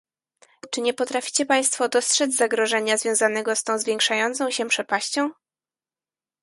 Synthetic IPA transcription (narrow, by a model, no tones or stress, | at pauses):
t͡ʂɘɲɛpɔt̪ɾafʲi̥t͡ɕɛpaj̃st̪fɔd̪ɔstʂɛd̪zʲzaɡɾɔʐɛɲazvʲjɔ̃w̃zanɛɡɔst̪ɔ̃w̃zvʲjɛ̃ŋkʂajɔnt̪sɔ̃w̃ɕɛpʂɛpaɕt͡ɕɔ̃w̃